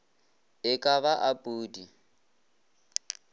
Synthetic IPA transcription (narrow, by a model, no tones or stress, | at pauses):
ɪkʼaβaʔapʼuːdi